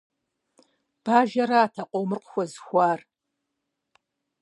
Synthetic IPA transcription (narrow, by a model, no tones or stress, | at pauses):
b̥aːʒɐɾaːtʰɐqʷʼowmɨrqʷʊxʷɔzxʷaːr